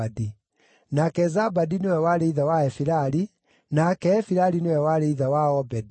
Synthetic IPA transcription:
adi | nakɛzabadinewɛwaɾeiðawaɛfiɾaɾi | nakɛːfiɾaɾinewɛwaɾeiðawaɔbɛdi

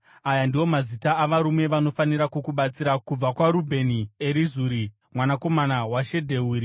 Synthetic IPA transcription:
ajandiwo̞mazitaːʋaɾumwe̞ʋano̞faniɾakukuɓat͡siɾakub͡vakwaɾubʱe̞nie̞ɾizuːɾi | mwanako̞manawaʃe̞dʱe̞uːɾi

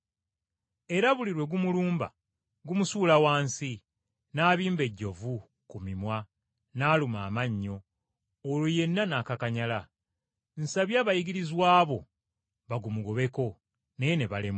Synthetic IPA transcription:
e̞ɾaβuliɾwe̞ɡumuluːmba̰ | ɡumusuːlawaːnsi | naːβiːmbe̞ɟːo̞vu | kumimwa | naːlumaːmaɲːo̞ː | luje̞nːanakakaɲala | n̩saβjaβajiɡiɾizwaːβo̞̰ | βaɡumuɡo̞βe̞ko̞ | nejene̞βalem

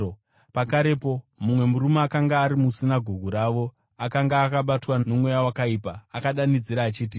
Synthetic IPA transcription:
pakaɾepo̞mumwe̞muɾumaakaŋɡaːɾimusinaɡʱuɡʱuɾaʋo̞ | akaŋɡaːkaɓatwanomwejawakaipaakaɗanid͡ziɾaːt͡ʃiːt̬i

